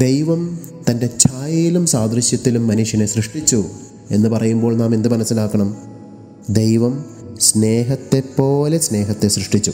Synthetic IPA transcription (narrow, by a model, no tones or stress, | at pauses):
d̪ejʋɐm | t̪ɐnde̞t͡ɕʰaːjɐjilumsaːd̪ɾiɕjɐt̪ːilumːɐnuʂjɐne̞srɨʂʈit͡ɕːu | e̞nːɨpɐrɐjumbo̞ːɭnaːme̞nd̪ɨmɐnɐsːilaːkːɐɳɐm | d̪ejʋɐm | sne̞ːɦɐt̪ːe̞pːo̞ːle̞sne̞ːɦɐt̪ːe̞srɨʂʈit͡ɕːu